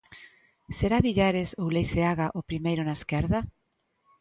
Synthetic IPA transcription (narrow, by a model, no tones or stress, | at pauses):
seɾaβiʎaɾesowlejθeaɣaʔʊpɾimejɾʊnaeskɛɾða